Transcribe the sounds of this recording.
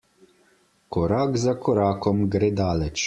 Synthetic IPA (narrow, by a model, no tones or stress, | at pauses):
kɔɾaːkzakɔɾaːkɔmɡɾeːd̪aːlɛt͡ʃ